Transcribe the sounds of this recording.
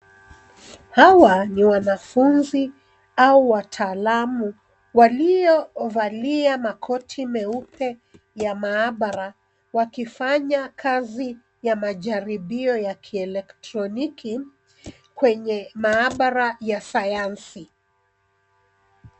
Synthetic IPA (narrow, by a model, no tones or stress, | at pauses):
hawaniwanafunzi | auwatʰaːlamu | walijɔvaliamakʰɔtʰimɛupʰɛ | jamaːɓaɾa | wakifaɲakʰazi | jamaʄaɾiɓiɔjakʰiɛlɛktɾɔnikʰi | kwɛɲɛmaːɓaɾajasajansi